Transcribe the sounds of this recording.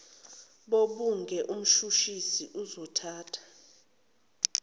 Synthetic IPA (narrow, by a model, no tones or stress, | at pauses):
ɓoɓuŋɡʱɛʔum̩ʃuʃisiʔuzɔtʰaːtʰḁ